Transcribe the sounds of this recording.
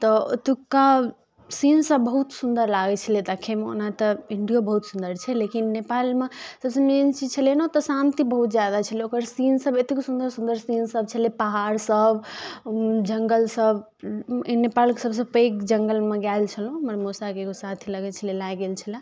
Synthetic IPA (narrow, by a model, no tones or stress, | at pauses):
t̪ɔ̰t̪ukːa | sinsəbːəɦut̪sund̪əɾlaɡɛt͡ʃʰəled̪akʰːemeo̰nat̪ɔiɳɖijobəɦut̪sund̪əɾt͡ʃʰɛlekinːepalmesəbsə̃meint͡ʃid͡ʒt͡ʃʰəlenot̪ɔsant̪ibəɦut̪̚d͡ʒjad̪at͡ʃʰəleokəɾsinsəbet̪ekosund̪əɾsund̪əɾsinsəb̚t͡ʃʰəlepaɦaɾsəb | d͡ʒəŋɡəlsəb | nepalkesəbsə̃pəkd͡ʒəŋɡəlmeɡjalt͡ʃʰəlɦũməɾmosakeɡosat̪ʰiləɡɛt͡ʃʰəlelajɡelt͡ʃʰəla